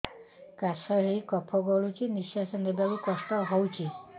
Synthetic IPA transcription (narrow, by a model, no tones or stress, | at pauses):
kasɔɦikɔpʰɔɡɔɭut͡ʃiniʃjasɔnːebabikɔsʈɔɦɔwt͡ʃʰi